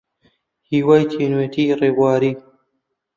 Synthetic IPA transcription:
hiːwajt̪ʰinwet̪ʰiːreːbaːɾiː

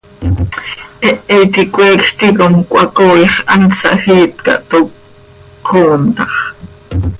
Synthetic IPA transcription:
ʔɛʔɛjt̪ikʷʼwɛːkʃt̪ikomkʷʼɑkoːjeχʔɑnsɑ̰hiːt̪kɑ̰ʔt̪o | oːnt̪ɑχ

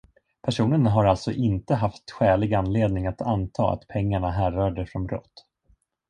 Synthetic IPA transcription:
pʰæʂuːnənɦaɾalt̪sɔʔɪnt̪əɦaft̪ɧɛːlɪɡanːleːd̪nɪŋat̪ʰant̪ʰɑ̰ːa̰t̪pʰɛŋːaɳaɦæːɾaːɖɛfɾɔnbɾɔ̰t̪ː

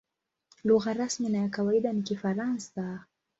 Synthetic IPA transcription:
luɣaɾasminajakawaiɗanikifaɾansa

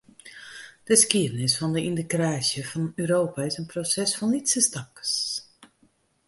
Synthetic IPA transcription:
d̥əskiədənɪsfɔndəʔindəkraːsjəfɔnyːɾoːpaɪsənprosɛsfɔnːitsəstɑkəs

